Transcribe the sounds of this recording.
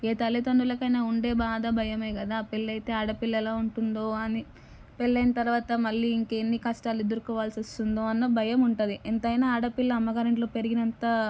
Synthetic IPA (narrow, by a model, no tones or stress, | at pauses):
eːt̪ɐlːit̪ɐɳɖulɐkɐjnaːuɳɖe̞ːbaːd̪ɐbʱɐjɐmeːkɐd̪aːpelːɐjt̪e̞ːaɽɐpilːɐɛlaːuɳʈund̪oːɐni | pelːɐjnɐt̪ɐɾuʋaːt̪ɐmɐɭːiːiŋkeenːikɐsʈaːlued̪ɐɾukɔːʋaːlsiost̪und̪oːɐnːɐbʱɐjɐmuɳʈund̪iʔent̪ɐjnaːaːɽɐpilːɐːmːɐɡaːɾeɳʈlo̞ːpe̞ɾiɡinɐnt̪ɐ